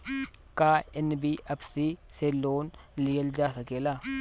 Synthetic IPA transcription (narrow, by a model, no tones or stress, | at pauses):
kaːɛnbiːʔɐbsiːselːoːnlijɐld͡ʒaːsɐkeːla